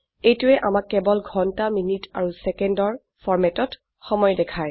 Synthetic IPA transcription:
ejtʊɛʔamakːɛbɔlɡʱɔntaminitaɹusɛkɛndɔɹ | fʰɔɹmɛtɔt | xɔmɔjɔdɛkʰaɹ

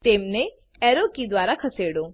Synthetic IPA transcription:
t̪emne | ɛɾokid̪ʋaɾakʰəseɽõ

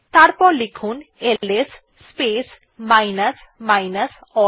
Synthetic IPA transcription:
t̪aɾpɔɾlikʰunelesː | pes | majnəs | majnəsɔ

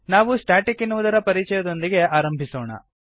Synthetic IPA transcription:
naːʋusʈaːʈikinuʋud̪ɐɾɐpɐɾit͡ʃɐjɐd̪o̞nd̪iɡe̞aːɾɐmbʱisoːɳɐ̰

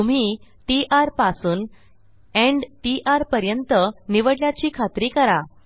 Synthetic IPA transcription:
t̪um̤iː | ʈiʔaɾpasuːn | ẽɳɖʈiʔaɾpəɾjənt̪əniʋəɽljat͡ɕiːkʰat̪ɾiːkəɾa

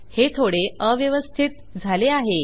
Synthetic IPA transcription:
het̪ʰoɽeəʋjəʋəst̪ʰit̪̚ | d͡zʱaleaɦe

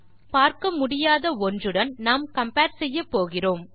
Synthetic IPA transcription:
paːɾkɐmʊɽɪjaːðɐɔndrɯɽɐnnaːmkɐmpaːʈsɛjːɐpːoːɣɪroːm

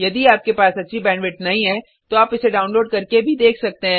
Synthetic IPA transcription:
jɐd̪iaːp̚kepaːsɐtːʃʰibɛːnʋɪʈnɐɦĩɦɛ̃ː | t̪oaːpɪseɖaːʊnloːɖ̚kɐɾkebʱid̪eːkʰsɐk̚t̪eɦɛ̃

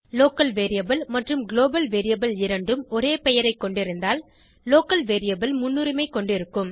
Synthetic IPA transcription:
loːkɐlʋeːɾɪjɐbɐlmɐʈrɯmɡɪloːbɐlʋeːɾɪjɐbɐlɪɾɐɳɖɯmɔɾeːpɛjɐɾɐɪkːɔɳɖɪɾɯnd̪aːl | loːkɐlʋeːɾɪjɐbɐlmʊnːʊɾɪmɐɪkːɔɳɖɪɾɯkːɯm

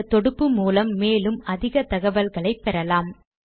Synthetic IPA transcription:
ɐt̪ɔɽɯpːɯmuːlɐmːeːlɯmɐðɪɣɐt̪ɐɣɐʋɐlɣɐɭɐɪpːɛɾɐlaːm

